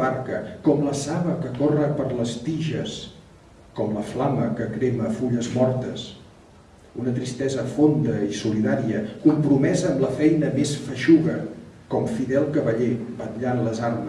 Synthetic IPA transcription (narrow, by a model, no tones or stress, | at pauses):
aɾkəkɔmləsaβəkəkorəpəɾləst̪iʒəs | kɔmləflaməkəkɾeməfuʎəzmɔɾt̪əs | unət̪ɾist̪ɛzəfond̪əisuliðaɾiəkumpɾumɛzəːmləfɛjnəmesfəʃuɣəkɔmfiðɛlˠkəβəʎebət̪ʎanləzarm